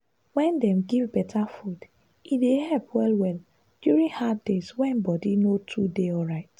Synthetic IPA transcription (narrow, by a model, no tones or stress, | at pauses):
wɛ̃ndɛ̃mɡivbɛtʰafud | idehɛlpʰwɛlwɛl | d̥juɹĩŋhaddezwɛ̃nbɔdinotʰudeɔlɹaɪt